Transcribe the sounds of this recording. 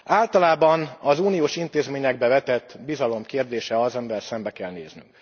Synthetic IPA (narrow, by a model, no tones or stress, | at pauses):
aːlt̪ɒlaːbɒnɒzuːnijoːʃint̪eːzmeːɲɛɡ̚bɛvɛt̪ɛt̪ːbizɒlo̞mkeːrd̪eːʃɛɒzɒmivɛlsɛmbɛkɛlnḛːzny̰ŋŋk